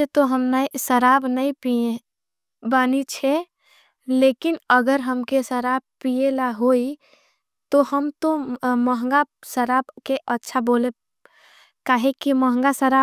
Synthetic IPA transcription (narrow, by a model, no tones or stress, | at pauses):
et̪oɦəmnasəɾabnəĩpie | banit͡ʃʰɛ | lekinəɡəɾɦəmkesəɾab̚pielaɦoi | t̪oɦəmt̪õməɦŋ̆ɡasəɾabkeʔətːʃʰabole | kaɦekiməɦəŋɡasəɾa